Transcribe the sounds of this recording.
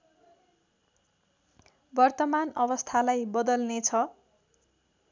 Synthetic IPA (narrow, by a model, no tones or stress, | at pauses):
bʌrt̪ʌmanʌbʌst̪ʰalajbʌd̪ʌlnet͡sʰʌ